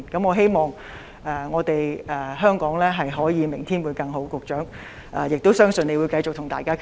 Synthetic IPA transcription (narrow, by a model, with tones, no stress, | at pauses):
nkɐ˨˥mɔː˨˧ɦe˥jmɔː˨˩ŋ | ɛː˨˩ŋɔː˨˧t̪e˨jɛː˨ɦœː˥ŋkɔː˨˥ŋlɛː˥ɦɐ˨jɦɔː˨˥jiː˨˧mɪ˨˩ŋt̪ʰiː˥nwuː˨˧jkɐ˧ŋɦo˨˥wkʊ˨k̚t͡ʃœː˨˥ŋ | ʔɛ˨jɪ˨k̚t̪o˥wsœː˥ŋsɵ˨˧ne˨˧jwuː˨˧jkɐ˧jt͡sʊ˨k̚t̪ʰʊ˨˩ŋt̪aː˨jkaː˥kʰ